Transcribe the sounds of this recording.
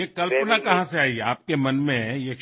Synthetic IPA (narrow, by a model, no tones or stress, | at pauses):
ekɐlpnakɐɦãseaːiaːp̚kemɐnmẽjek